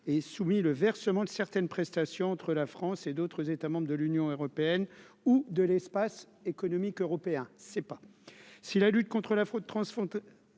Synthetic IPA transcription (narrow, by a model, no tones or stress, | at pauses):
ɛsumiləvɛʁsəmɑ̃d̪əsɛʁt̪ɛnpχɛst̪asjɔ̃ɑ̃t̪χəlafχɑ̃sed̪ot̪χəzet̪amɑ̃bʁəd̪əlynjɔ̃øʁɔpeɛn | ud̪əlɛspas | ekɔnɔmikøʁɔpeɛ̃sɛpasilalyt̪̚kɔ̃t̪χəlafχod̪̚t̪χɑ̃sfɔ̃t̪